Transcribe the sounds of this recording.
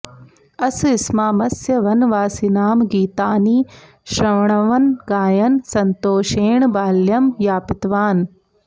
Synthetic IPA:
ɐsɪsmaːmɐsjɐʋɐnʋaːsinaːmɡiːt̪aːniː | ʃɾɐʋɳɐʋɐnɡaːjɐnsɐnt̪oːʃeːɳbaːljɐmjaːpɪt̪ʋaːn

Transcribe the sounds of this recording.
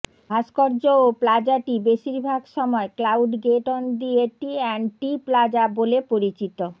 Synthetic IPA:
bʱaʃkoɾd͡ʑooplad͡ʑaʈibeʃiɾbʱaɡʃɔmɔeklawɖɡeʈond̪ieʈiɛnʈiplad͡ʑabolepoɾit͡ɕit̪o

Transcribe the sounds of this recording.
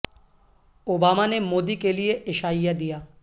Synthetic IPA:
obaːmanemoːd̪ikelijeʔɪʃaːɪjad̪ijaː

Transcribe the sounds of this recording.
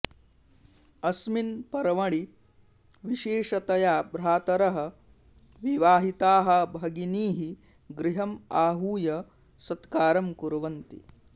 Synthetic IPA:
ɐsminpɐɾɐʋɐɭi | ʋiʃeːʃɐt̪ɐjaːbɾaːt̪ɐɾɐɦɐ̆ | ʋiʋaːɦit̪aːɦɐbʱɐɡiniːɦi | ɡɾiɦɐmaːɦuːjɐ | sɐt̪kaːɾɐmkuɾʋɐnt̪ḭ

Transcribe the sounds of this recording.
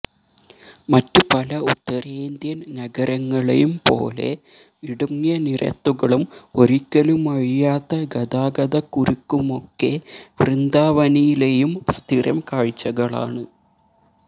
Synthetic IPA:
mɐtːupɐlɐut̪ːɐɾeːnd̪jɐnnɐɡɐɾɐŋːɐɭḛjumpo̞̰ːle̞̰ | iɽuŋːjɐnirɐ̰t̪ːuɣɐɭumo̞ɾikʲːɐlumɐɻijaːt̪ːɐɡɐd̪aːɡɐðɐkːuɾukːumo̞kːe̞ʋrɨnd̪aːʋɐnijile̞jumst̪ʰiɾɐmkaːɻt͡ɕːɐɣɐɭa̰ːɳɨ

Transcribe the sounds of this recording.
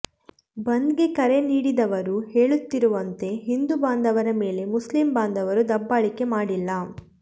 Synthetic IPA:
bɐnd̪ɡekɐɾe̞niːɽid̪ɐʋɐɾuheːɭut̪ːiɾuʋɐnt̪e̞ɦind̪ubaːnd̪ʱɐʋɐɾɐme̞ːle̞muslimbaːnd̪ɐʋɐɾud̪ɐbːaːɭike̞maːɽilːɐ

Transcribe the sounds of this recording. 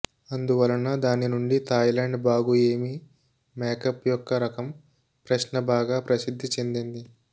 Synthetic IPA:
ɐnd̪uʋɐlɐnːɐd̪aːninuɳɖit̪ʰɐjlaːɳɖbaːɡueːmi | mɛːkɐpjɔkːɐɾɐkɐm | pɾɐʃnɐbaːɡaːpɾɐsid̪ʱːit͡ʃe̞nd̪ind̪i

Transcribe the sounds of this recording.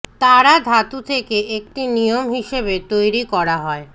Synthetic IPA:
t̪aɾad̪ʱat̪ut̪ʰekeʔek̚ʈinijomɦiʃebet̪ojɾikɔɾaɦɔe

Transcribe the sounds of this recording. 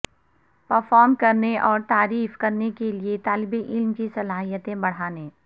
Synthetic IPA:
pɐɾfɔːɾmkɐɾneʔɔːɾt̪aːɾiːfkɐɾnekeliet̪aːlɪbiʔɪlmkisɐlaːɦijət̪ẽbɐɽ̤aːnẽː

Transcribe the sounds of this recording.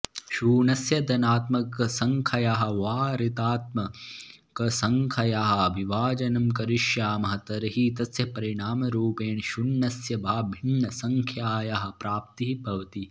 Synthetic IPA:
ʃuːnɐsjɐd̪ɐnaːt̪mɐkɐsɐŋkʰɐjaɦɐ̆ʋaːɾit̪aːt̪̚mɐ | kɐsɐŋkʰɐjaɦɐ̆ʋiʋaːd͡ʒɐnɐmkɐɾiʃjaːmɐɦɐt̪ɐɾɐɦit̪ɐsjɐpɐɾiɳaːmɐɾuːpeːɳʃunːɐsjɐbʱaːbʱinːɐsɐŋkʰjaːjaɦɐ̆pɾaːp̚t̪iɦibɐʋɐt̪i

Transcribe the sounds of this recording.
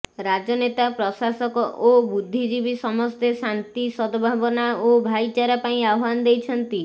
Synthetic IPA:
ɾad͡ʒɔnet̪apɾɔsasɔkɔʔobud̪ʱːid͡ʒibisɔmɔst̪esant̪isɔd̪ɔbʱabɔnaobʱajt͡ʃaɾapaĩawwanɔd̪ejt͡ʃʰɔnt̪i

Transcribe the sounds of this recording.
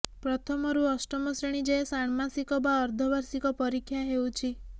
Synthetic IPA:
pɾɔt̪ʰɔmɔɾuɔsʈɔmɔsɾeɽ̃id͡ʒesaɳ̃masikɔbaɔɾd̪ʱɔbaɾsikɔpɔɾikʰːjaɦewt͡ʃʰi

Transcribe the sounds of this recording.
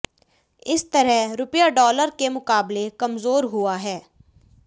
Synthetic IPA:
ɪst̪əɾɛɾʊpjaːɖɔːləɾkemʊkaːblekəmzoːɾɦʊaːɦɛː

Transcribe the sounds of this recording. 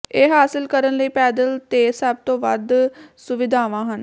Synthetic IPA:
eːɦaːsɪlkəɾənləiːpɛːd̪əlt̪eːsəb̚t̪õːʋə̰d̪sʊʋɪd̪ʱaːʋãːɦən

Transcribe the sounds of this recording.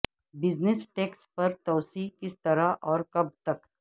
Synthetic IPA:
bɪznɪsʈeːkspɐɾt̪ɔːsiːkɪst̪ɐɾaʔɔːɾkɐb̚t̪ɐk

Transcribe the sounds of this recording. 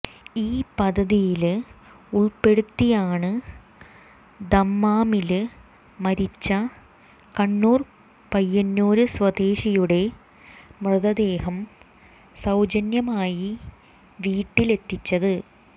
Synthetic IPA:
iːpɐd̪ɐðijil | uɭpe̞ɽut̪ːijaːɳɨ | d̪ɐmːaːmilɨ | mɐɾit͡ɕːɐ | kɐɳːuːr | pɐjːɐnːoːɾɨswɐd̪e̞ːɕijuɽe̞ | mrɨðɐd̪e̞ːhɐm | sɐwd͡ʑɐnjɐmaːji | ʋiːʈːile̞t̪ːit͡ɕːɐðɨ

